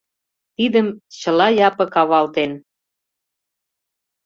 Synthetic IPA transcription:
t̪id̪əmt͡ɕə̆lɑjɑpɤ̆kɑβɑlt̪en

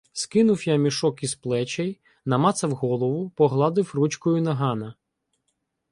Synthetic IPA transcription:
skɪnʊwjamʲiʃɔkisplˠɛt͡ʃɛj | nɐmɑt̪sɐwɦɔlˠɔʋʊpɔɦlˠɑd̪ɪwrut͡ʃkɔjʊnɐɦɑnɐ

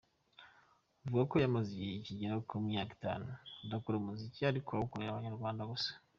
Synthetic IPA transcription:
vuɡakojamaziɟeiciɟeɾaokumijaki̥ta̰ːnudakuɾomuziciaɾikʰokueaβaɲaɾɡwaːndaɡosḁ

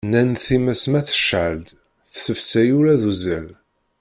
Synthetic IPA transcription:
nænθimæsmæθə̥ʃʕəld̪ | θsəfsæjuɾæðuzæl

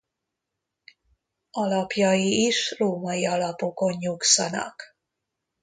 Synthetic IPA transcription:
ɒlɒpjɒjiːʃroːmɒjiɒlɒpo̞ko̞ɲɲuksɒnɒ̰k

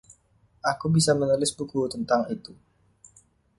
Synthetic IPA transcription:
ʔakubisamənulɪsbukut̪ənt̪aŋit̪u

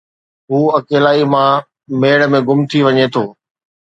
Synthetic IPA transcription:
ɦuːɐkeːlaːimã | meːɽə̆mẽɡʊmt̪ʰiʋɐɲet̪ʰoː

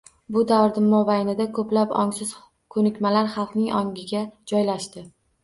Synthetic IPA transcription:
bʊd̪avɾd̪ɪmːɒbajnɪd̪akʰɵplapɒ̰ŋsɪz̥ | kʰɵnɪkʲmalaɾχɑlˠqnɪŋɒŋɡʲɪɡʲad͡ʒɒjlaʃt̪ɪ

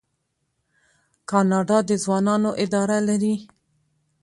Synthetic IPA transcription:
kɑnɑɖɑd̪əzwɑnɑnoʔɪd̪ɑɾalaɾi

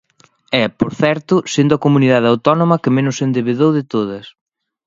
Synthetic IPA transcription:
ɛpoɾθɛɾt̪ʊsend̪ʊɐkomuniðaðawt̪ɔnomɐkɪmenʊsend̪eβeðowðɪt̪oð̞ɐs

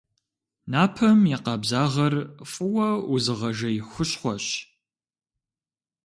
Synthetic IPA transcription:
naːpʰɐmjɪqɑbzaːʁɐrfʼɨwɐuzɨʁɐʒɐjxʷʊɕχʷɔɕ

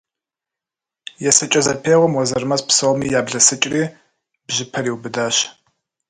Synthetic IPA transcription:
jɛsɐt͡ʃʼɐzɐpʰeːʁʷɔmwɐzɐrmɐspsɐwmiːjaːbɮɐsɨt͡ʃʼriː | bʒɪpʰɐriːwbɨdaːɕ

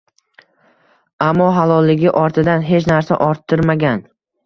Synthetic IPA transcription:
amːɒɦalɒlˠːɪɡʲɪʔɒɾt̪ʰɪd̪anɦe̞t͡ʃnaɾsa̰ʔɒɾt̪ʰːɪɾmaɡʲan

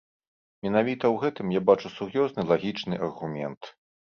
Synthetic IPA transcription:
mʲɛnavʲit̪ɐwɣɛt̪ɨmjabat͡ʂusurjɔznɨlˠaɣʲit͡ʂnɨʔɐrɣumʲɛnt̪

